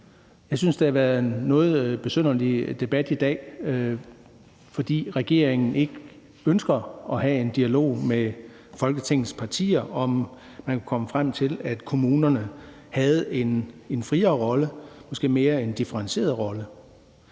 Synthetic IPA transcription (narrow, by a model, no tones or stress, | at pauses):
jɑ̈ɪsynsd̥ehɑ̈ʋæɐð̩ˠnɔ̽ːð̩ˠb̥e̝søn̰ɐlid̥e̝b̥æd̥id̥ɛ̰ː | fɒ̽d̥ḭːʁɛɡ̥e̝ɐ̰eŋn̩e̝ɡ̥ə | ønsɡ̥ɐɒ̽ɦæe̝nd̥iælo̝̰ʊ̰me | fɒ̽lɡ̥ət͡sʰeŋ̰n̩spʰɑ̈t͡sʰḭːɐʔɒ̽m | mænkʰukʰɒ̽məfʁam̰t͡sʰe̝læd̥kʰo̝muːnɐnə | hæð̞̩ˠe̝nenfʁiːɐːʁɒ̽ləmɒ̽sɡ̥e̝̰ːme̝ːɐend̥ifəʁɑ̈nɕe̝̰ːɐðˠʁɒ̽lə